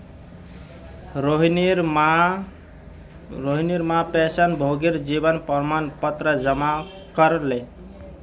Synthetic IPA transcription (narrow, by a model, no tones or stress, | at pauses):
ɾoɦniɾma | ɾoɦiniɾmapesənbʱoɡiɾd͡ʒibənpəɾmanpət̪ɾəd͡ʒəma | kəɾle